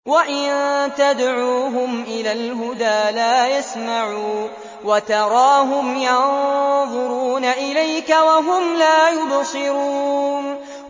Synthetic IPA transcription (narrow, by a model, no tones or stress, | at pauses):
waʔɪnt̪ad̪ʕuːɦʊmʔɪlaːlɦʊd̪aːlaːjasmaʕuː | wat̪ɑɾˤɑːɦʊmjɑnðˤʊɾuːnaʔɪlajkawaɦʊmlaːjʊbsˤɨɾuːn